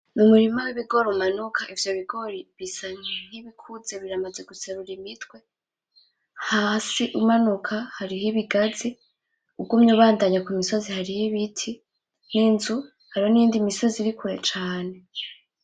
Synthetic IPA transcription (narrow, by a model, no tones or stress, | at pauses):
numuɾimawiβiɡo̞ɾumanukʰaʔivjo̞βiɡo̞ɾiβisaɲen̥iβikʰuze̞βiɾamaze̞ɡut͡seɾuɾimitwe̞ | haːsiʔumanukʰahaɾiɦiβiɡazi | ub̚ɡumɲuːβaːndaɲakomiso̞zihaɾihiβitʰi | niːnzu | haɾiho̞nijiːndimiso̞ziɾikuɾe̞t͡ʃaːne̞